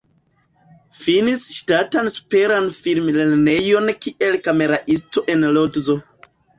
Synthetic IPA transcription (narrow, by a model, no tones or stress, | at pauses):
finisʃtatansu̥pe̞ɾanfilmleɾne̞jo̞nkiʔe̞lkame̞ɾaʔisto̞ʔe̞nlotzo̞